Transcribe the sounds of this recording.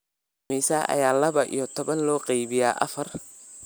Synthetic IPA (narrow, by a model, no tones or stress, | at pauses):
miːsaːʔɐ̰jaːlɐβɐʔḭjɔt̪ʰɔβɐnlɔːqɛjβɪjaːʔɐfɐr